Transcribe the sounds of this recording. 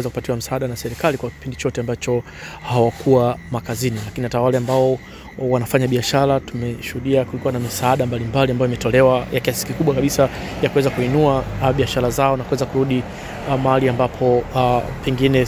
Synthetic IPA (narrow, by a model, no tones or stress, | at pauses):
ɛzakupatiwam̩saaɗanasɛɾikalikwaki̥pindit͡ʃɔtɛambat͡ʃɔ | hawakʰuwamakazinilakinihatawalɛambaɔ | wanafaɲaɓiaʃaɾatumɛʃuhuɗiakulikuwanamisaaɗambalimbaliambajimɛtɔlɛwajakiasi̥kikuɓwakaɓisa | jakuwɛzakuinuaɓiaʃaɾazaɔnakuwɛzakuɾuɗi | mahaliambapʰɔpɛŋɡinɛ